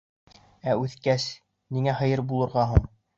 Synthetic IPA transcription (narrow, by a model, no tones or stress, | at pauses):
æʉθkæs | niŋæɦɤ̆jɤɾbulˠɤ̆ɾʁɑɦuɴ